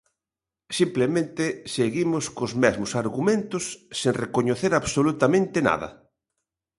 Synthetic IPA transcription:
simplemẽnt̪eseɣimʊskozmɛzmʊsaɾɣumẽnt̪ʊsːẽŋrekoɲoθeɾaβsolut̪amẽnt̪ena̰ðɐ̰

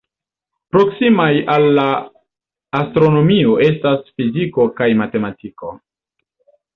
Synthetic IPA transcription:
pɾo̞ksimajalːaː | stɾo̞no̞mio̞ʔe̞stasfiziko̞kajmate̞matiko̞̰

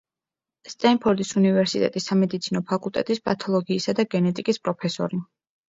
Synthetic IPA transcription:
st̪ʼɛnpʰɔɾd̪isunivɛɾsit̪ʼɛ̰t̪ʼisːamɛd̪it̪sʰinɔpʰakʼulˠt̪ʼɛ̰t̪ʼispʼat̪ʰɔlˠɔɡiːsad̪aɡɛnɛt̪ʼikʼispʼɾɔpʰɛsɔ̰ɾi

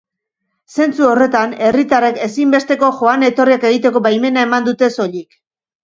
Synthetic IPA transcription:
se̞nt͡suo̞re̞t̪ane̞rit̪are̞ke̞simbe̞st̪e̞ko̞ʝo̞ane̞t̪o̞rieke̞ɣ̞it̪e̞ko̞bajme̞nae̞mand̪ut̪e̞so̞ʎik

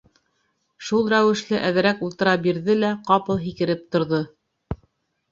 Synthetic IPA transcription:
ʃulˠɾæwɘ̆ʃlɘʔæðɘ̆ɾækulˠt̪ɤ̆ɾɑbiɾðɘlæqɑpɤlˠɦikɘ̆ɾɘp̚t̪ŏɾðo

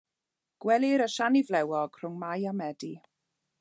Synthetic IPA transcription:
ɡ̥wɛliɾəʃanivlɛwɔɡ̥r̥ʊŋmajamɛdi

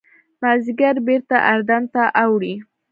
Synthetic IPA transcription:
maziɡaɾbeɾt̪aʔaɾd̪ant̪aʔawɽi

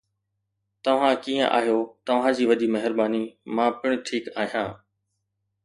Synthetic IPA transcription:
t̪ɐʋ̤ãkiːə̰̃ʔa̰ːɦjoːt̪ɐʋ̤ãːd͡ʑiːʋɐɗiːmɐɦɪɾbaːniːmãːpɪɽ̃ʊ̆ʈ̪ʰiːkaːɦijãː

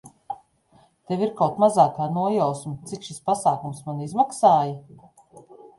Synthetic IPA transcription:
t̪eviɾkawt̪mazaːkaːnuɔjawsmit̪sikʃispasaːkumsmanizmaksaːjɐ

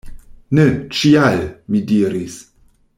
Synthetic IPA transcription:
net͡ʃialmidiɾis

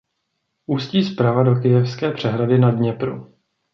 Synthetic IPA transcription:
ʔuːsciːspɾavado̞kɪjɛfskɛːpr̥ɛɦɾadɪnadɲɛpɾṵ

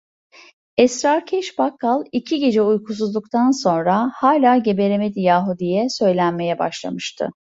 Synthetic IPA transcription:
ɛsɾaɾcʰɛʃbakːalˠicʰiɟe̞d͡ʒɛujkʰus̬uzld̪ˠuk̚t̪ʰanso̞nɾahaːlʲaːɟe̞be̞ɾemed̪ijaːɦud̪ijɛsø̞jlʲænme̞jɛba̰ʃlˠa̰mɯʃt̪ʰɯ̰

